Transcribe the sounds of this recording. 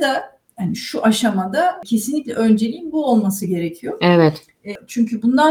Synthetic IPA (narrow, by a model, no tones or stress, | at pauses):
d̪a | haniʃuʔaʃamad̪acʰe̞sinlʲiclʲɛ̰ʔø̞nd͡ʒe̞lʲiːnbuo̞lˠmasɯɟe̞ɾecʰijo̞ɛvɛt̪ | ɛt͡ʃʰyɲcʰybund̪a